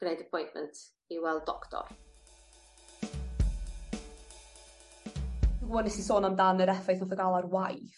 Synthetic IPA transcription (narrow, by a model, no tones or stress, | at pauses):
ɡ̥nejdəpʰɔjnʔmɛ̰̃ntʰ | iwɛlˠdɔktʰɔ̰r | əɡɔnɛsisoːnamdanəɾɛfajθɔðəɡalˠarwajf